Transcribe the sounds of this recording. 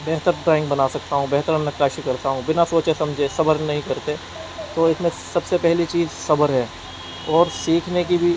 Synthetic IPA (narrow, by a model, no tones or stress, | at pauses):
bɛɦt̪əɾɖɾaːɪ̃ŋɡbɐnasɐk̚t̪aɦũbɛɦt̪əɾnɐkaːʃikɐɾt̪aɦũbɪnasoːt͡ʃesɐ̃md͡ʒʱesɐbəɾnɐɦĩkɐɾt̪e | t̪oːɪsmẽ | sɐbsepɛɦlit͡ʃiːzsɐbəɾɦɛː | ɔːɾsiːkʰnek̬ibʱi